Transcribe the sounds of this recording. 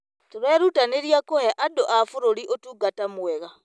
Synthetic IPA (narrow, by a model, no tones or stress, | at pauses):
toɾɛːɾutaneɾiakohɛʔadoʔafoɾoɾiʔotuːɡatamwɛɣa